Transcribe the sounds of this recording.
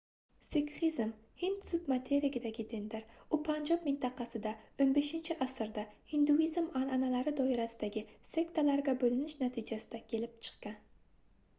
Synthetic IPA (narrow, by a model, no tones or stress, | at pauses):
sɪkχizm | hɪnd̪sʊbmat̪ʰeɾɪɡʲɪd̪aɡʲɪd̪ɪnd̪ɪɾʊpʰand͡ʒɒpmɪnt̪ʰɑqʰɑsɪd̪aonbeʃɪnt͡ʃʰɪʔasɨɾd̪ahɪnd̪uizmananalaɾɪd̪ɒɪɾasɪd̪aɡʲɪse̞kt̪ʰalaɾɡʲabɵlɪnɪʃnat̪ʰɪd͡ʒasɪd̪akʲʰe̞lɪp̚t͡ʃʰɨ̥qkɑn